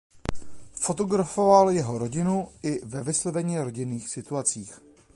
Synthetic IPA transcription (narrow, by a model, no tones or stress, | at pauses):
fo̞t̪o̞ɡɾafo̞valjɛɦo̞ɾo̞ɟɪnuʔɪvɛvɪslovɛɲiːɾo̞ɟɪniːxsɪt̪uat͡siːx